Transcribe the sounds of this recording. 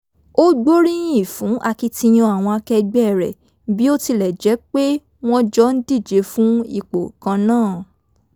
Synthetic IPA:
o˦ɡ͡bo˦ɾĩ˦ĩ˦˨fũ˨˦ʔa˧ki˧tĩ˧j̃ɔ̃˧a˨w̃ɔ̃˧a˧kɛ˧ɡ͡bɛ˦˨ɾɛ̰˨ | bi˦o˦ti˧lɛ˨d͡ʒɛ˨˦k͡pe˦ | w̃ɔ̃˦d͡ʒɔ˦n̩˦di˦˨d͡ʒe˨˦fũ˦i˦˨k͡po˨kã˧nãː˦˨

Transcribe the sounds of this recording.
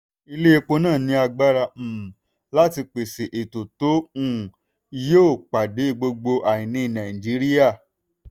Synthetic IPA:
i˧le˦e˧k͡po˧nãː˦˨nĩ˧˦a˧ɡ͡ba˦ɾa˧˨ | la˦ti˧k͡pe˨se˨ʔe˨to˨to˨˦ũ˦˨˧ | joː˦˨k͡pa˨de˨˦i˦˨ɡ͡bo˧ɡ͡bo˧ʔa˨ĩ˨nĩ˧˦˨nã˨i˨d͡ʒi˨˦ɾi˦ja˦˨

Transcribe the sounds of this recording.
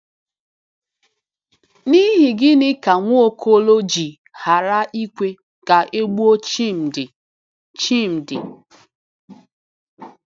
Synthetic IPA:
ni˦ɦi˨ɡɪ˦nɪ˦ka˨ŋʷu˦o˦kʰo˦lo˦d͡ʒi˨ | ha˨ɾa˦ʔi˦kʷe˦ | ka˨ʔe˦ɡ͡bu˦o˦t͡ʃm̩˨ɪ˨ | t͡ʃi˦m̩˨dɪ̰˨

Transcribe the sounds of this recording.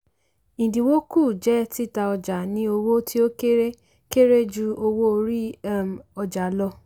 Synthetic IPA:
ĩ˨dĩ˨wo˦ku˦˨d͡ʒɛ˦ti˦˨ta˧ɔ˧d͡ʒa˨nĩ˨˦o˧wo˦ti˦o˦ke˦ɾe˦ | ke˦ɾe˦d͡ʒu˧o˧wo˦o˧ɾi˦˨ | ɔ˧d͡ʒa˨˦lɔ˧

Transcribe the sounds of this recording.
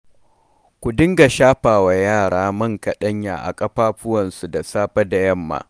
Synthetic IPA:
kʷu˨dɪ˦ŋɡa˨ʃaː˦ɸaː˨wa˨jaː˦˨ɽaː˦mɐ˦ŋkɐ˨ɗɐ˦ɲja̰ː˨ʔa̰˨kʼɐ˦ɸaː˦ɸʊ˦wɐ˨nsu˨da˨saː˦ɸɐ˦da˨jɐ˦˨mːa̰ː˨

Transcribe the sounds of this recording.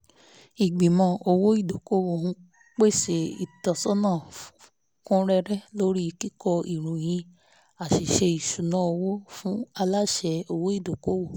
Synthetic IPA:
i˨ɡ͡bi˨mɔ̃˧˨o˧wo˦i˦˨do˨ko˦wo˨hũ˧˦ | k͡pe˦˨se˨ḭ˨tɔ˨sɔ˦nã˦˨f | kũ˦ɾɛ˦ɾɛ˦lo˦ɾi˦˧ki˦kɔ˧i˨ɾ̃ũ˨j̃ĩ˧ | a˨ʃi˨ʃe˧i˨ʃu˨nã˦o˧wo˦fũ˦a˧la˦ʃɛ˧o˧wo˦i˦˨do˨ko˦wo˦˨

